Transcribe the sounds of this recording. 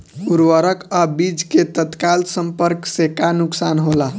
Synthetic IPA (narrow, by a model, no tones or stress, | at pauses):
uɾwəɾəkəbid͡ʒket̪ət̪kalsəmpəɾksekanuksanɦola